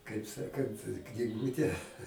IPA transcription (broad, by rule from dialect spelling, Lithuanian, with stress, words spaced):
kɐɪp ˈsɑːkɐnt knʲɪˈɡuːtʲɛ